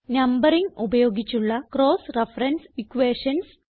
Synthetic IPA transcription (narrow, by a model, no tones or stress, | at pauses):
nɐmbɐɾiŋubɐjo̞ːɡit͡ɕːuɭːɐkɾoːsrefrɐnsikʋeːʂɐns